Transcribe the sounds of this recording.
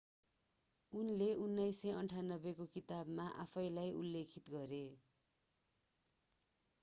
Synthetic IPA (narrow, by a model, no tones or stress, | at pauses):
unleunːʌjsʌjʌnʈʰanːʌbekokit̪abmaʔa̰pʰʌjlajṵlːekʰit̪ɡʌɾe